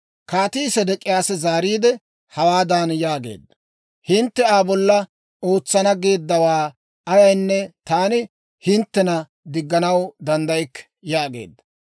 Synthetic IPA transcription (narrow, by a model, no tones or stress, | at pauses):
kaːt̪isɛd̪ɛkʼɪjaːsɛzaːɾiːd̪ɛ | hɐwaːd̪aːnjaːɡḛːd̪ːɐ | hɪnt̪ːɛaːbɔlːɐ | o̞ːt͡sːɐnɐɡe̞ːd̪ːɐwaː | ɐjɐjnːɛt̪aːnɪ | hɪnt̪ːɛnɐ | d̪ɪɡːɐnɐwd̪ɐnd̪ɐjkː | jaːɡḛːd̪ːɐ̥